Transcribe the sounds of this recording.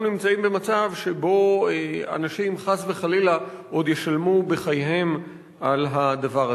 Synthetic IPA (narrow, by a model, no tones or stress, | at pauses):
nimt͡saimbe̞mat͡savʃebo̞ea̰naʃimχazveχalila | ʔo̞d̪jeʃalmubeχajɦe̞m | ʔalɦad̪avaʁa